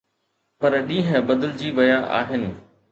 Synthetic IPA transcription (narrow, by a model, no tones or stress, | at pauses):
pɐɾɗĩːɦə̃bɐd̪əld͡ʑiːʋɐjaʔa̰ːɦɪnɪ̆